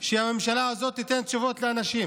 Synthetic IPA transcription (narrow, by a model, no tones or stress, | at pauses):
ʃeame̞mʃalaazo̞t̪ːit̪ent̪ʃuvo̞t̪leanaʃim